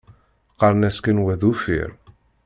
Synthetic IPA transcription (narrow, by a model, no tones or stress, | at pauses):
qɑɾˤnæskənwæðufḭɾ